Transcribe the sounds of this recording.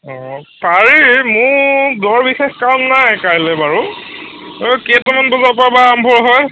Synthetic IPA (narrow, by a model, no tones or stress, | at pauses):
ɔpaɹimʊɹdɔɹbixexkawnnajkajlɛbaɹu | oketɔmanbɔzapabaambʱɔɹɦɔj